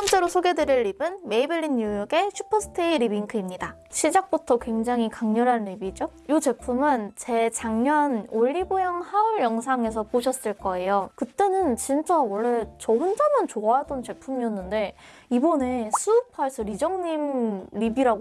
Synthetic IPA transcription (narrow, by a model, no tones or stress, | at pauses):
sʰamt͡ɕ͈e̞ɾosʰoɡe̞dɯɾiɭːibɯnme̞ibɯɭːinːujʌɡe̞ɕʰupʰʌsʰɯ̥tʰeiɾibiŋkʰɯimɲida | ɕʰid͡ʑak̚p͈utʰʌkwe̞ŋd͡ʑaŋikaŋɲʌɾɦanɾibid͡ʑo | jut͡ɕe̞pʰumɯnt͡ɕe̞t͡ɕaŋɲʌnoɭːibojaŋhauɭjʌŋsʰaŋe̞s̬ʰʌpoɕʰʌs͈ɯɭk͈ʌe̞jokɯt͈e̞nɯnt͡ɕint͡ɕ͈awʌɭːe̞t͡ɕʌɸond͡ʑamjʌnt͡ɕoaadʌnt͡ɕe̞pʰumiʌnːɯnde̞ | ibone̞sʰupʰais͈ʰɯɾid͡ʑʌŋɲimɾibiɾaɡ